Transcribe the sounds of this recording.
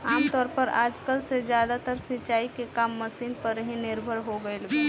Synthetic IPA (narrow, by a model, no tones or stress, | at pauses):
aːmt̪ɔːɾpəɾaːd͡ʒkəlsezjaːd̪at̪əɾsɪt͡ʃaːikekaːmːəsiːnpəɾːəɦĩnɪɾbʱəɾɦoɡəelbe